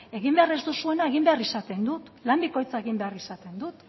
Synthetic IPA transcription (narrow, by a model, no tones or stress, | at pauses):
e̞ɣimbe̞arezd̪usue̞nae̞ɣimbe̞arisat̪e̞nd̪ut̪lambiko̞jt͡sae̞ɣimbe̞arisat̪e̞nd̪ut̪